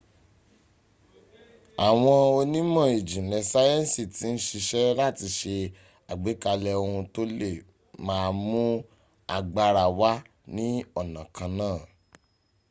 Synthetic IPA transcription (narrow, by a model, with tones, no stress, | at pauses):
a˨w̃ɔ̃˧o˧nĩ˦mɔ̃˦˨e˨d͡ʒĩ˨nɛ˨sa˦jɛ˦˨si˦˨ti˨˦n̩˦ʃi˧ʃɛ˦la˦˨ti˧ʃe˧ | a˨ɡ͡be˨˦ka˧lɛ˧o˧hũ˧to˦le˦˨ | mãː˦˧mũ˦ | a˨ɡ͡ba˧ɾa˨wa˦ | nĩ˦ɔ˦˨nã˨kʰã˧nãː˦˨